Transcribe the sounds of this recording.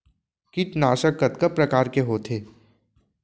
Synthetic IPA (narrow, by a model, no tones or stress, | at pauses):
kit͡ʃnaːʃəkːɐt̪kəpɾɐkaːɾkeɦoːt̪ʰeː